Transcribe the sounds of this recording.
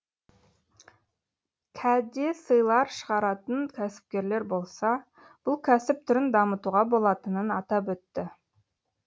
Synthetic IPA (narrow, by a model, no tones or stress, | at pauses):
kʲʰæd̪e̞səjlˠɑɾʃəʁɑɾɑt̪ənkʲʰæsɪ̥p̚kʲe̞ɾle̞ɾbo̞lˠsɑ | b̥ʊlˠkʲʰæsɪp̚t̪ʰʏɾɪnd̪ɑmət̪uʁɑbo̞lˠɑt̪ənənɑt̪ɑp̬wɵt̪ːɪ